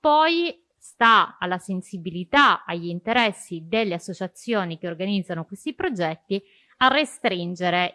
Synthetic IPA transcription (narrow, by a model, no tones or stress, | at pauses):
pɔj | st̪aalːasensibilit̪aaʎːint̪eɾɛsːid̪elːeasːot͡ʃat̪sːjoːnik̟eorɡanid̪zːanokwest̪ipɾod͡ʒɛt̪ːi | arːest̪ɾind͡ʒeɾe